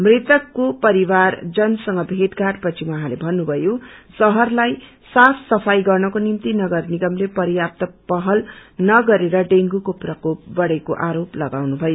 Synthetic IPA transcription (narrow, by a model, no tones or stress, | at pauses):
mret̪ʌkːopʌɾiward͡zʌnsʌŋɡʌbʱeʈɡaʈpʌt͡sʰiwʌɦãlebʱʌnːubʱʌjosʌɦʌrlaj | sasːʌpʰajɡʌrnʌkonimt̪inʌɡʌrniɡʌmlepʌɾijap̚t̪ʌpʌɦʌlnʌɡʌɾeɾʌɖeŋɡukoprʌkop̚bʌɽekoʔaɾoplʌɡawnubʱʌjo